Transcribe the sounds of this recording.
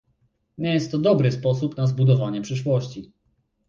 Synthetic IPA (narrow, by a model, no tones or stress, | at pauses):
ɲɛjɛst̪ːɔd̪ɔbɾɘspɔs̬upnazbud̪ɔvaɲɛpʂɘʂwɔɕt͡ɕi